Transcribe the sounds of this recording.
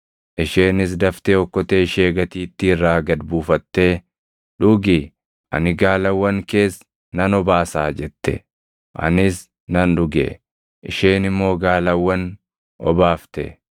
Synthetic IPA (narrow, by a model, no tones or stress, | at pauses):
ʔɪʃe̞ːnɪs̬d̪ɐft̪eɔkːɔt̪eːʃe̞ːɡɐt̪iːt̪ːɪɪrːaːɡɐd̪buːfɐt̪ːe̞ː | ᶑʊɡɪ | ɐ̰nɪɡaːlɐwːɐŋke̞ːs | nɐnɔbaːsaːd͡ʒɛt̪ːɛ̰ | ʔɐ̰nɪs | nɐnᶑʊɡḛ | ʔɪʃeːnɪmːo̞ːɡaːlɐwːɐn | ɔ̰baːft̪ɛ̰